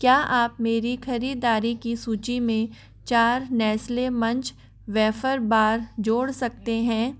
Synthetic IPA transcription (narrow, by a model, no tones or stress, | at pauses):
kjaːʔaːpmeːɾixʰɐɾiːd̪aːɾikisuːt͡ʃimẽ | t͡ʃaːɾnɛːslemɐ̃ɲt͡ʃ | ʋɛːfəɾbaːɾd͡ʒoːɽsɐk̚t̪eɦɛ̃ː